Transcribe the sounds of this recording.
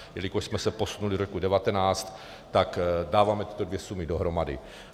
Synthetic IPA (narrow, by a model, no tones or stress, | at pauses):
jɛlikoʃsmɛsɛpo̞sunuliɾokudɛvat̪ɛnaːt͡st̪ː | akdaːvaːmɛt̪ɪ̥t̪odvjɛsumɪdoɦɾomadɪ̰